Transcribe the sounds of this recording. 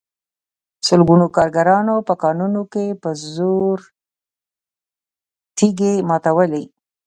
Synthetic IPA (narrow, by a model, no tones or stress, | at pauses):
sʊlɡunokɑɾɡaɾɑnopəkɑnunokepəzoɾ | t̪iɡemɑt̪awəli